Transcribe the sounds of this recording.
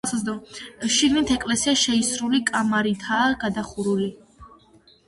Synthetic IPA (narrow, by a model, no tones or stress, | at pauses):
sazd̪ɔʃiɡnit̪ʰɛkʼlɛsiaʃɛisɾulikʼamaɾit̪ʰaːɡ̥ad̪aχuɾuli